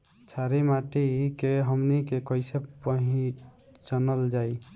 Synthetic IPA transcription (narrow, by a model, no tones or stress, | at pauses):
t͡ʃʰaɾemaʈikeɦəmnikekɔɪsepəɦĩ | t͡ʃənəld͡ʒaj